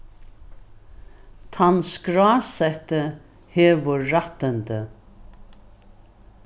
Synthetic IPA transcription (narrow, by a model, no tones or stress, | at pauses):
t̪ʰanskɾaːsɛht̪ə | hɛːʋʊɾːat̪ənt̪ə